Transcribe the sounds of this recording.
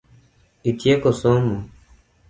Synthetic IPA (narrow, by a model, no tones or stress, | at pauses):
it̪jekosomu